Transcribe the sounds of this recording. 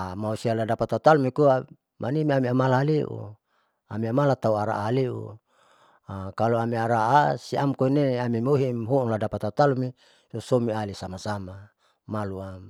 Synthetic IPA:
amausialadapat̪at̪alumikua | mʔanimiamiamalaleʔṵ | amiamalat̪auaɾa̰ʔːliṵ | akaloamiaɾaʔasiamkoineamimoɦimɦuŋladapat̪at̪alumi | sosomialisamasama | malua

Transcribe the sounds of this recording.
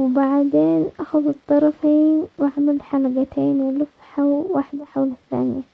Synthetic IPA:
wbaʕd̪eːnʔaxaðɨt̪ˤːɑɾˤɑfiːnwaʕmalħalɑɡat̪eːnwɪlʊfħawwaħd̪aħawlɪθːa̰ːnɪja

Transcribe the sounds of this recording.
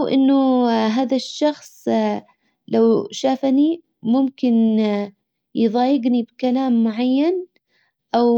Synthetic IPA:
wʔɪ̰nːʊɦaːðaʃːɑxsˤ | lawʃaːfani | mʊmkɪn | jðˤɑːjɪɡnibkalaːmːʊʕajːan | ʔaw

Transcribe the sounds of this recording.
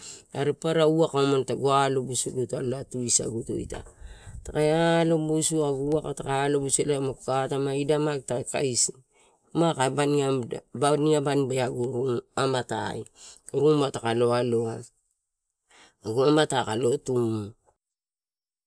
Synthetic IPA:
aɾepaɾauakaomantaɡualobusuɡutaloatuisa̰ɡuto̰ḭta̰takajalobusuaɡuakatakalobuselamakukatamaidamaktaka̰isi | makabaniabaniŋabanbaaɡuɾuŋamata̰jɾuŋbatakalo̞aloa | aɡuamatakalo̞tum

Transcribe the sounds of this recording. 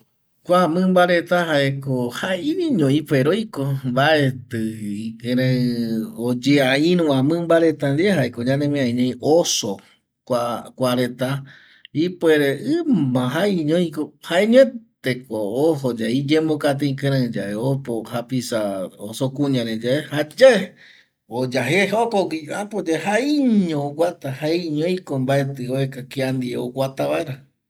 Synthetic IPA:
kʷamɨ̃mbaɾet̪aɦaekohaiiɲõĩfeɾojkombaet̪ɨikɨ̃ɾã | od͡ʒeaĩɾũãmɨ̃mbaɾe̞t̪and̪eɦaekod͡ʒãnẽmẽãĩɲõj̃ʔoso | kʷakʷaɾet̪a | ipweɾeʔɨmãɦaiɲõjĩkohaeɲ̃ẽtt̪ekooɦod͡ʒaid͡ʒẽmokat̪̬ẽĩkɨ̃ɾãd͡ʒaeopohapisaosokũɲãɾẽd͡ʒaehad͡ʒae | od͡ʒaɦehaokokiapod͡ʒahaiɲõːɡʷat̪ahaiɲõj̃kombae̞t̪ɨoekakiand̪ieowʷat̪aβaeɾa

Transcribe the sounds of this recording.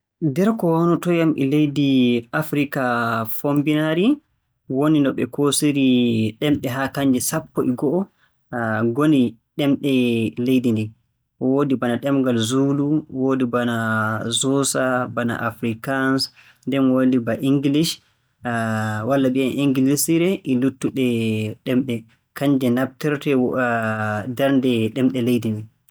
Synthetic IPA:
dɛɾkɔwanɔtɔjamʔɛ̰lejdiafɾikafombinaɾi | woninɔɓɛ̰kosiɾiɗɛmɗɛɦakaɲd͡ʒɛsapːɔʔiɡɔʔɔ | ɡoniɗɛmɗɛlejdindi | ɔwodibanaɗɛmɡalzuluwodibanazɔsabana̰ʔafɾikans | ndɛnwolibaʔiŋɡilis | walːabianʔiŋɡilisiɾɛʔilutːuɗɛɗɛmɗɛ | kaɲd͡ʒɛnab̚tɛɾtɛ | dɛɾndɛɗɛmɗɛlejdindi

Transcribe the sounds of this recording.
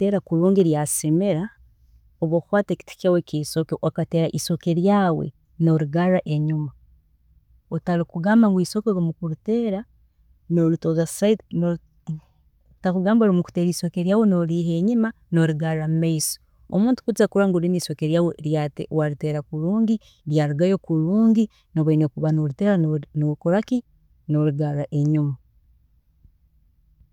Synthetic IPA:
teɾakuɾuːŋɡiɾjasimeɾa | oβoxwaːteki̥ti̥kawekisokeʔokateːɾaʔiso̞keɾjaːwḛ | no̞ɾiɡaɾaʔeɲuma | otalikuɡaːmbaŋɡwiːsokoɾomukuɾiteːɾa | nolutoðasaitno | takuɡaːmboɾimuku̥teɾiːso̞keɾjaːwenoɾiːɦeːɲima | no̞ɾiɡaɾamumaiso̥ | omuːntu̥kuzakuɾaŋɡuɾiniːsokeɾjaweɾjatewaɾiteɾakuɾuːŋɡi | ɾjaːɾuɡajokuɾuːɲɡi | noβainekuβanoɾuteːɾanokuɾaki | noɾiɡaɾaʔeɲuma

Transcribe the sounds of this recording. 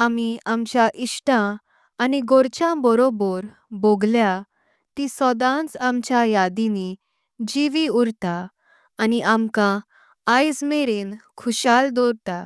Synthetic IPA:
amiamt͡ɕjaʔiʂʈãː | niɡoɾt͡ɕjãbɔɾobɔɾ | boɡlja | t̪isɔd̪ãnt͡samt͡ɕjajad̪ini | d͡ʑiʋiuɾt̪aː | niʔamkã | ajsmeɾenkʰuɕald̪ɔɾt̪a

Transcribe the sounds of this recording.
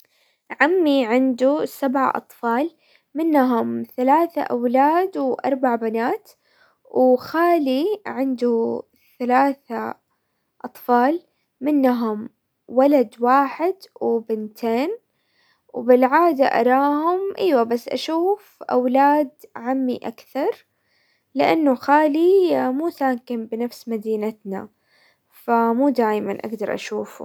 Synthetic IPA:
ʕamːiʕɪnd̪usabʕa̰ʔɑ̰t̪ˤfɑːl | mɪnːɦʊmθalaːθa̰ʔawlaːd̪wʔɑ̰ɾˤbaʕbanaːt̪ | wɪxaːliʕɪnd̪u | θalaːθa | ʔɑt̪ˤfɑːl | mɪnːɦʊm | walad̪waːħɪd̪wɪbɪnt̪ʰeːn | wbɪlʕaːd̪a̰ʔɑ̰ɾˤɑːhʊmʔiːwabasːʔa̰ʃuːfʔa̰wlaːd̪ʕamːḭʔa̰kθɑɾˤ | lɪʔanːʊxaːlimuːsaːkɪmbɪnafsmad̪iːnat̪na̰ | famuːd̪aːjmanʔa̰ɡd̪ɑɾˤʔa̰ʃuːfṵ

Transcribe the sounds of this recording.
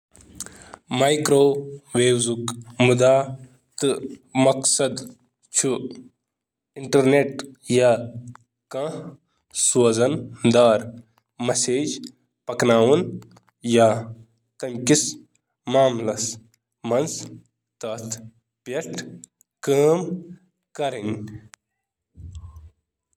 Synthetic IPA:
majkɾoːʋeːwzukmud̪aː | t̪ɨmɐksɐd̪ | t͡ʃʰu | iɳʈɐɾneʈja | kɐ̃ | sɐzɐnd̪aːɾ | mɐseːd͡ʒ | pɐknaːwun | jaː | t̪ɐmkis | maːmlɐs | mɐns | t̪ɐt̪ʰ | pɐʈ | kaːm | kɐɾin

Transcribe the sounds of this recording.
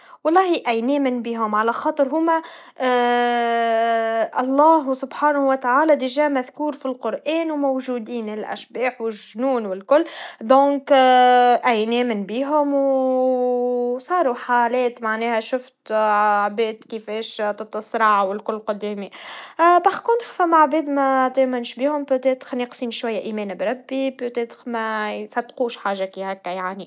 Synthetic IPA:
wɑlˤːɑːhiʔæjnɛːmɪnbiːɦʊmʕalæxɑːt̪ˤɨɾɦʊːmæ | ʔɑlˤːɑːɦsʊbħaːnhwɪt̪aʕaːlæd̪ɪʒæːmæðkuːɾfilqʊɾʔɛːnwmowʒuːd̪iːnɪlʔæ̰ʃbɛːħwɪʒnuːnwɪlkʊlːd̪õːŋk | ʔæjnɛːmɪnbiːɦʊmw | sˤɑːɾuħaːlɛːt̪maʕnɛːhæʃʊft̪aʕbɛːd̪kəfɛːʃt̪ɑt̪ˤːɑsˤɾˤɑʕwɪlkʊlːqʊd̪ɛːmi | bɑxkʊnt̪xfæmːaʕbɛːd̪mæt̪emænʃbiːhʊmpøt̪ɛːt̪xnəqsiːmʃwæjːæʔiːmɛːnabɾˤɑbːipøt̪ɛːt̪xmɛsɑt̪quːʃħaːʒakihækːæjaʕni

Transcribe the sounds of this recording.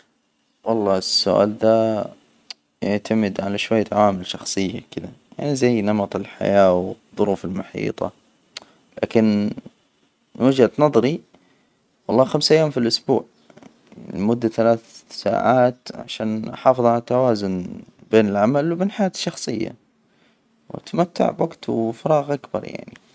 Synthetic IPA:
wɑlˤːɑːɪsːʊ̰ʔa̰ːld̪aː | jaʕt̪ʰamɪd̪ʕalaʃwajːt̪ʰaʕaːmɪlʃɑxsˤɨjːakɪd̪aja̰ʕnizajːnɑmɑt̪ˤɨlħa̰jaːwɪðˤːʊɾuːfɪlmʊħḭːt̪ˤɑ̰ | la̰ːkɪn | wad͡ʒat̪nɑðˤɾi | wɑlˤːɑːxamsʔajːaːmfilʔʊsbuːʕ | lmʊd̪ːaθalaːθsa̰ːʕaːt̪ʕa̰ʃaːnħɑːfɨðˤʕalat̪ːawaːzʊnbeːnɪlʕamalwbeːnħajaːt̪ʃːɑxsˤɨjːa̰ | wa̰t̪mat̪ːa̰ʕbwʔaɡt̪wfɑɾˤɑːɣʔakbɑ̰ɾˤja̰ʕnḭ

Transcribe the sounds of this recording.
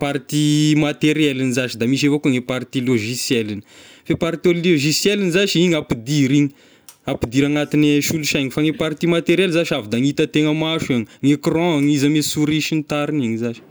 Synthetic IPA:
paɾt̪imat̪eɾjɛlinizaʃid̪amiʃ̬evokuŋepaɾt̪iloʒisjɛlini̥fepaɾt̪ioloʒisjɛlinizaʃiiɲapid̪iɾiɲi | apid̪iɾaŋat̪ineʃuluʃaŋifaŋepaɾt̪imat̪eɾjɛlzaʃavid̪aŋit̪ət̪eŋəmaʃiŋŋekrɔ̃ŋizamesuɾiʃint̪aɾiniŋizaʃi̥

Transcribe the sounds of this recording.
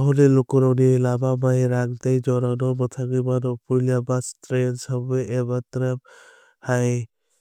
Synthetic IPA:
ɦɔlelɔkɔɾɔnilabamajɾaŋtajd͡ʒɔɾanɔmɯtʰaɡɯjbanɔpʰuɾljabastɾensabɯebatɾap | haj

